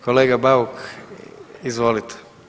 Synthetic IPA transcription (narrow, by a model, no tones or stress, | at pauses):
koleːɡabauk | izʋolit̪ʰe̥